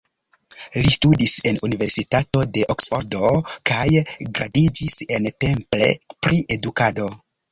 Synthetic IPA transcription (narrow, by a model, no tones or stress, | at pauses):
listudise̞nunive̞ɾsitato̞de̞ʔoksfo̰ɾdo̞kajɡɾʔadid͡ʒise̞npe̞mple̞̰pɾiʔe̞dukado̞